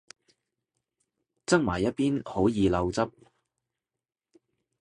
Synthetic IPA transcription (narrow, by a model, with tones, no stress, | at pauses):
t͡sɐ˥k̚maː˨˩jːɐ˥t̚piː˥nho˨˥wjiː˨˧lɐ˧wt͡sɐ˥p̚